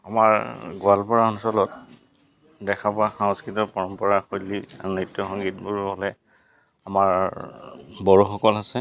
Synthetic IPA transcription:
amaɹɡʊalpɔɹaɔnsɔlɔt | dɛkʰapɔaxaŋskɹitɔpɔɹɔmpɔɹaxojlːia̰ɹunitːɔxɔŋɡitbuɹɦɔlɛ | amaɹ | bɔɹuxɔkɔlasɛ

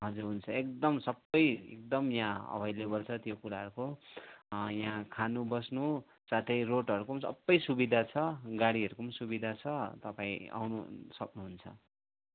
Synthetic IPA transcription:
ɦʌd͡zuɾɦunt͡sʰʌek̚d̪ʌmsʌbːʌjḛk̚d̪ʌmjãʌ̰bʱʌjlebʌlt͡sʰʌt̪jokuɾaɦʌɾuko | jãkʰanubʌsnu | sat̪ʰʌjroʈɦʌɾukomsʌ̰bːʌjsubid̪ʱat͡sʰʌɡaɽiɦʌɾukomsubid̪ʱat͡sʰʌt̪ʌpãĩa̰wnṵsʌknuɦunt͡sʰʌ̰

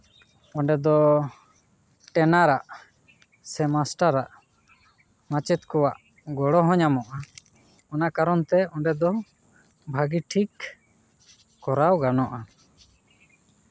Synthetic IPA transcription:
ɔɳɖɛd̪ɔ | ʈɛnaɾaʔ | sɛmasʈaɾaʔ | mat͡ʃɛt̪kɔwaʔ | ɡɔɽɔɦɔ̃ɲamɔʔa | ɔnakaɾɔnt̪ɛɔɳɖɛd̪ɔ | bʱaɡiʈʰik | ɔɾawɡanɔʔa

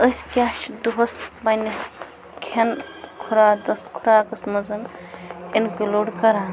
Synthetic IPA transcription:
əskʲaʃʈd̪uɦɐsbanes | kʰenkʰuɾad̪ɐskʰuɾaːkɐsmɐzɐn | enkeloːɖkɐɾaːn

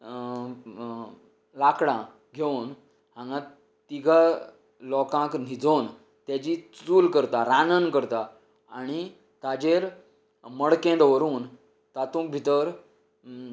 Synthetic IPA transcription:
lakɽã | ɡʱeun | hãŋɡã | t̪iɡʱa | lɔkãkn̤id͡zon | t̪jat͡ɕit͡suːlkəɾt̪aɾanənkəɾt̪aː | ɽ̃i | t̪ad͡ʑeɾ | məɽkẽd̪ʋəɾuːn | t̪at̪ũk̚bʱit̪əɾ

